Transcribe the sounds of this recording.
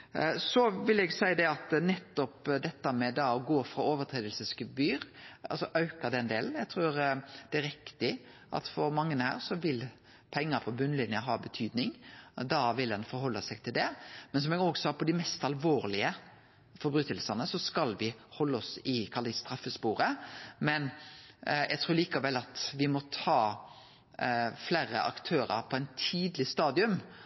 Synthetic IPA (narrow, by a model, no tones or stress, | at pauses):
sɔʋɪlɛɡsæɪəd̪ɛɑt̪nɛt̪ːɔpd̪ɛt̪ːəmɛd̪ɑɔɡoːfɾɑoːʋət̪ʰɾeːd̪əlsəskʉbyːɾɑlsɔʔɑʉkəd̪ɛnd̪eːln̩jæɡt̪ʰɾuːɾd̪̥ɛæɾɪkt̪ɪʔɑ̰t̪fɔɾmɑŋːənhæ̰ːɾsɔʋɪl | pʰɛŋːəɾpʰɔbʉnlɪnjəɦɑːbət̪ʰyːd̪nɪŋd̪ɑʋɪldɛnfɔɾɦɔlːɑsɛɪɡ̚t̪ʰɪld̪ɛmɛns̬ɔmɛɡɔɡsɔɑpʰɔd̪ɪmɛst̪ɑlʋoːɾlɪə | fɔɾbɾʉːt̪əlsənəsɔskɑlʋɪhɔlːəɔsɪkʰɑld̪əst̪ɾɑfəspuːɾəmɛn | jɛɡt̪ʰɾuːɾliːkɑʋɛlːɑt̪ʋɪmɔt̪ʰɑː | flæːɾə̰ʔɑ̰kt̪ʰøːɾə̰ɾpʰɔɛɪnt̪ʰiːd̪lɪst̪ɑːd̪ɪʉm